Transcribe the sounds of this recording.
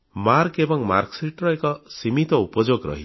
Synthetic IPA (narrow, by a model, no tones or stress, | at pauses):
maɾkebɔŋmaɾksɾiʈɾɔekɔsimit̪ɔupɔd͡ʒoɡɾɔ̰ɦi